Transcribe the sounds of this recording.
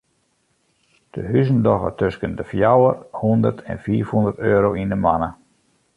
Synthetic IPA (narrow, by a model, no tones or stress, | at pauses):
d̥əɦysəndɔɣə̰tøskəndəfjawərhundərtʰɛ̰nfiːfhundərtøːɾowindəmanə